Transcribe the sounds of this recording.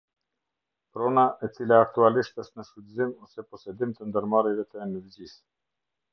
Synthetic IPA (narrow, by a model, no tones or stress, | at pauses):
pɾɔnaʔɛt͡silaːk̚t̪ualiʃt̪əʃt̪nəʃt̪ud̪izimɔsɛpɔsɛd̪imt̪ənd̪əɾmaɾɛvɛt̪ənɛvd͡ʑis